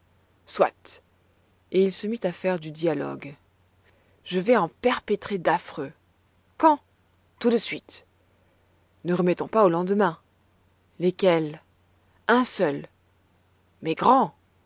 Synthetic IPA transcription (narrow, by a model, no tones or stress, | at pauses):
swa̰t̪ | eilsəmit̪afɛʁd̪yd̪jalɔ̰ɡ | ʒəvɛɑ̃pɛʁpet̪χed̪afχø | kɑ̃ | t̪ud̪əsɥit̪ | nəʁəmɛt̪ɔ̃paolɑ̃d̪əmɛ̃ | lekʲɛl | ɛ̃sœl | mɛɡʁɑ̃